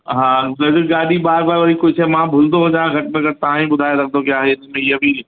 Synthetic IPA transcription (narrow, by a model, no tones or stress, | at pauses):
ɦãːlɐd͡ʒɪɡaːɽibaːɾbaːɾʋɐɾikʊt͡ʃʰɦɛmãbʱʊld̪oɦod͡ʒãːɡʱɐʈmẽkɐɾt̪ɐɦãɦĩbʊd̪ʱaːjeɾɐk̚ʰd̪okjaːɦɛɪsmẽjebʱi